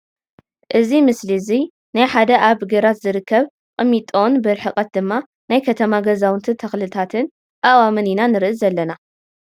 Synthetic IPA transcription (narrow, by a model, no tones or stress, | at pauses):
ʔɨzimɨslizi | najħad̪ɐʔaβɡɐɾat̪zɨɾɨkːɐβ | kʼɨmːit̪ʼonbɨɾħɨkʼɐt̪̚d̪ɨmːa | najkʰɐt̪ʰɐmaɡɐzawɨnt̪ʰɨt̪ʰɐxlɨt̪ʰat̪ʰɨn | kʼawamɨninanɨɾɨʔɨzɐlːɐna